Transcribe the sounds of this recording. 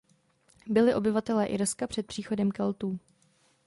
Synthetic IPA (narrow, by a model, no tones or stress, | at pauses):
bɪlɪʔo̞bɪvat̪ɛlɛːʔɪɾskapr̝̥ɛt̪̚pr̝̥iːxo̞dɛmkɛlt̪uː